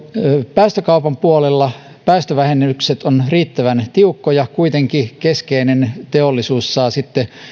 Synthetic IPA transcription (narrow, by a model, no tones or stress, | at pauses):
pæːst̪økɑupɑmpuolelːɑ | pæːst̪øʋæhenykset̪onriːt̪ːæʋænt̪iukːojɑkuit̪eŋkikeskeinent̪eolːisuːsːɑːsit̪ːe